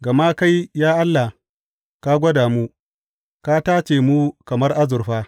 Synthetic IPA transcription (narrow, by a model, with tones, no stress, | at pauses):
ɡɐ˨ma˦ka˦jjaː˦ʔa˦lːa˨ | ka˦ɡʷɐ˦daː˨mu˦ | ka˦taː˦t͡ʃeː˨mu˦kɐ˨mɐ˦rʔa˦zʊ˨rɸaː˦